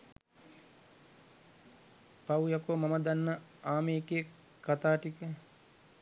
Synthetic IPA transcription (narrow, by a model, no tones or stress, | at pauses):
pawujakomaməd̪anːəaːmeːkejə | kːat̪aːʈikə